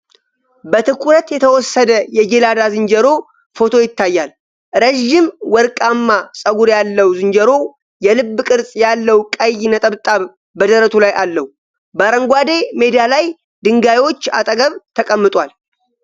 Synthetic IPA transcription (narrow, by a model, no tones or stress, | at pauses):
bət̪ʰɨkʷʰuɾət̪jɛt̪ʰəwɔsːəd̪əjɛd͡ʒelad̪azɨnd͡ʒəɾo̞ | fo̞t̪ʰo̞jɪt̪ːajːal | ɾeʒːɪmwɔɾkʼamːasʼəɡuɾjalːəwzɨnd͡ʒəɾo̞ | jɛlɨbːɨkʼɨɾsʼjalːəwkʼəjːnət̪ʼəβt̪ʼːaβ | bəd̪əɾət̪ʰulajʔalːəwu | bəɾəŋɡʷad̪e̞me̞d̪jalaj | d̪ɨŋɡajiwo̞t͡ʃːa̰t̪ʼəɡəβt̪ʰəkʼəmːɨt̪ʼwal